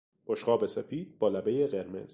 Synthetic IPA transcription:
oʃqɒːbesefiːd̪̚bɒːlæbe̞jeɢe̞ɾmḛz̥

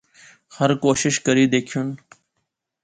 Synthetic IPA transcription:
həɾkoːʃɪʃkəɾiːd̪eːkʰijuːn

